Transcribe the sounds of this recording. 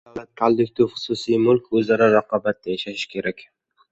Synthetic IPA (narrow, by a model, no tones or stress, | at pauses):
d̥̪alat̪̚kʰalˠd̪ʊk̚ʲt̪ʰɪvχʊ̥susijmʊlˠkʲɵzaɾaɾaqʰɒbat̪̚ːajaʃaʃɪkʲʰe̞ɾakʲ